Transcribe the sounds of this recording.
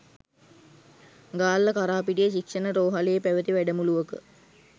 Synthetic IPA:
ɡaːlːəkaɾaːpiʈijəʃikʂənəɾoːɦalejepæʋət̪iʋæɖəmuluʋəkə

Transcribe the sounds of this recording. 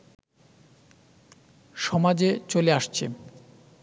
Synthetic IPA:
ʃɔmad͡ʑet͡ɕoleaʃt͡ɕʰḛ

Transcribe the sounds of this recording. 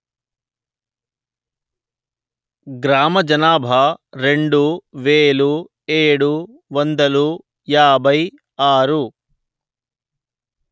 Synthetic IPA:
ɡɾaːmɐd͡ʒɐnaːbʱaɾeɳɖuʋeːɭu | eːɽu | ʋɐnd̪ɐlu | jaːbʱɐj | aːɾu

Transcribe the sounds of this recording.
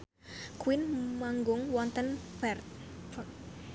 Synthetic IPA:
kwinmaŋɡʊŋwɔnt̪ənpɛrt̪

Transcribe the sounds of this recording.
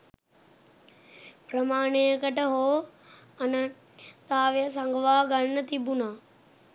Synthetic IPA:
pɾɐmaːɽ̃ekəʈəɦoː | ɐnə | t̪aːʋjəs̬ãŋɡʋaːɡɐɳnət̪ibunaː

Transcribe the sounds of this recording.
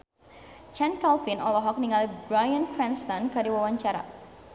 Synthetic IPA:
t͡ʃɛnkalfinɔlɔɦɔk̚niŋalibɾajankɾɛnst̪ankadiwawaɲt͡ʃaɾa̰

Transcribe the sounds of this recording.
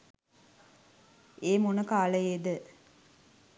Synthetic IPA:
eːmonəkaːləjed̪ə

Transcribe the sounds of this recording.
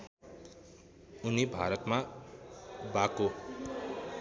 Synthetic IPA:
unibʱaɾʌt̪ma | bako

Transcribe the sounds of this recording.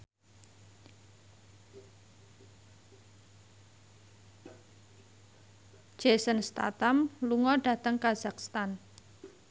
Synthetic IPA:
d͡ʒ̥esənst̪a̰t̪amluŋɔɖä̤t̪əŋkazakst̪an

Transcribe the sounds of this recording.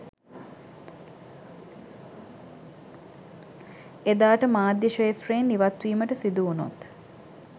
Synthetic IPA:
ed̪aːʈəmaːd̪jəʃeːsɾeenːiʋat̪ʋiːməʈəsid̪uuno̰t̪

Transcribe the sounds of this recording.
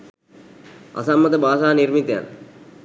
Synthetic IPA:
a̰samːət̪əbaːsaːniɾmit̪eja̰n

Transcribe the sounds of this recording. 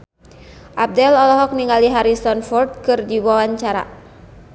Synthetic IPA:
ʔab̚dɛlɔlɔɦɔk̚niŋɡaliɦaɾisɔnfɔrd̪̚kɨrdiwawaɲt͡ʃaɾa̰

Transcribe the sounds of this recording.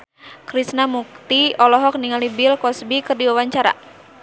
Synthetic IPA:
kɾisnamuk̚t̪iɔlɔɦɔk̚niŋalibɪlkɔsbikɨrdiwawaɲt͡ʃaɾa̰

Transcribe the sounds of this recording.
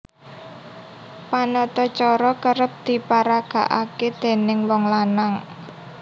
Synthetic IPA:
panɔt̪ɔt͡ʃɔɾɔkəɾəp̚d̪̥i̤paɾaɡ̥a̤ʔaked̪̥e̤nɪŋwɔŋlanaŋ

